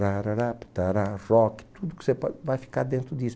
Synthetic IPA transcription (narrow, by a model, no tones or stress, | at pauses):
ɾaɾaɾapt̪aɾarɔki̥t̪ud̪ukɪ̥sepɔvajfi̥kaɾd̪ẽnt̪ɾʊd̪is